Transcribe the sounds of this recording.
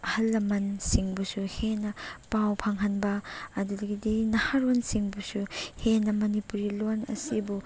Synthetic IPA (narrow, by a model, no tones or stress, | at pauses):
ɐhɐlːɐmɐnsiŋbusuhenɐpawpʰaŋɦɐnbɐːdudɐɡidinɐhaɾonsiŋbusuhenɐmɐnipuɾilonɐ̰sibu